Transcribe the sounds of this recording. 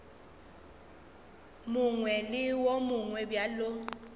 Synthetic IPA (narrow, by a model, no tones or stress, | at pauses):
mʊŋwɛlɪwomʊŋwɛbjalo